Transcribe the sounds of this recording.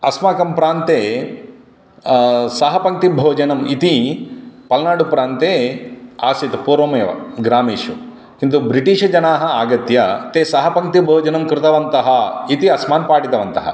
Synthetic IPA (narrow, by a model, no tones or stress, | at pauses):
ɐsmaːkɐmpɾaːnt̪eː | sɐɦɐpɐŋk̚t̪ibʱoːd͡ʒɐnɐmit̪i | pɐlnaːɽupɾaːnt̪eːaːsit̪puːɾʋɐmeːʋɐ̰ɡɾaːmiːʂu | kint̪ubɾiʈiːʂɐd͡ʒɐnaːɦɐ̆aːɡɐt̪jɐt̪eːsɐɦɐpɐŋt̪ibʱoːd͡ʒɐnɐmkɾɪt̪ɐʋɐnt̪ɐɦɐit̪iɐsmaːnpaːʈit̪ɐʋɐnt̪ɐɦɐ̰